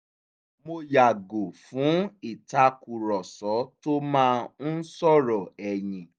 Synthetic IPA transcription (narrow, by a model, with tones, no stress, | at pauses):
mo˧ja˨ɡo˨fũ˨˦i˦˨ta˧ku˨ɾɔ˨sɔ˨˦to˦mãː˦n̩˦n̩˦sɔ˦˨ɾɔ˨ɛ˨jĩ˨